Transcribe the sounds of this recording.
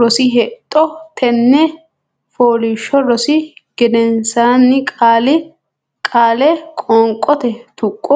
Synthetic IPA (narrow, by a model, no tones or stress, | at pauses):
ɾɔsɪɦɛt̪ʼːɔt̪ʰɛnːɛ | foːliːʃːɔɾɔsɪɡ̥ɪd̪ɛnsaːnːɪkʼaːlɪ | kʼaːlɛkʼɔŋkʼːɔt̪ɛt̪ʊkʼːɔ